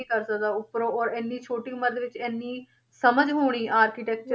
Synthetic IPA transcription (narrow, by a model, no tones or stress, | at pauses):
ĩːkəɾsək̚d̪aːʊpɾõːɔːɾɪnːiːt͡ʃʰoːʈiːməd̪ʋɪt͡ʃɛːnːiː | səməd͡ʒɦoːɽ̃iːʔaːɾkiːʈɛːk̚t͡ʃə